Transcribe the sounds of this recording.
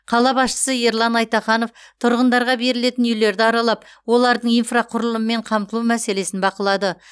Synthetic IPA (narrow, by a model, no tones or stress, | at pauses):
qʰɑlˠɑbɑsʃə̥səeɾlˠɑnɑjt̪ɑχɑno̞ft̪ʰʊɾʁənd̪ɑɾʁɑbe̞ɾɪle̞t̪ɪnʏjle̞ɾd̪ɪɑɾɑlˠɑpwo̞lˠɑɾd̪əɴijnfraqʰʊɾəlˠəməme̞ɴqʰɑmt̪əlˠumæse̞le̞sɪnbɑqəlˠɑd̪ə